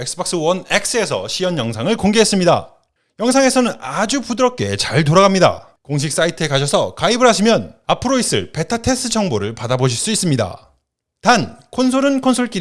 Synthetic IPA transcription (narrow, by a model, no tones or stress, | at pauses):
ek̚sɯbʌk̚s͈ɯwʌnek̚s͈ɯe̞sʰʌ̰ɕʰijʌnjʌŋsʰaŋɯɭkoŋɡeɦe̞s͈ɯmɲida̰ | jʌŋsʰaŋe̞sʰʌnɯnad͡ʑupudɯɾʌp̚k͈e̞̰t͡ɕaɭtoɾaɣamɲida̰ | koŋɕ̬ʰik̚s͈aitʰɯe̞kaɕʰʌsʰʌkaibɯɭɦaɕʰimjʌnapʰɯɾois͈ɯ̰ɭpe̞tʰatʰe̞s͈ʰɯt͡ɕʰʌŋboɾɯɭpadaboɕ̬ʰiɭs͈uis͈ɯmɲida̰ | tankʰons̬ʰoɾɯnkʰonsʰoɭk͈i